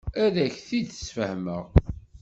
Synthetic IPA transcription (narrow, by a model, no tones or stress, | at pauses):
æɾæçθid̪ə̥sfəhməʁ